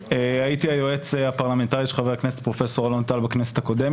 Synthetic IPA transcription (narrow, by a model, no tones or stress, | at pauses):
eait̪iajoe̞t͡seapaʁlame̞ntaʁiʃeχaveakneset̪pʁo̞fe̞so̞ʁalo̞nt̪albakneset̪ako̞dem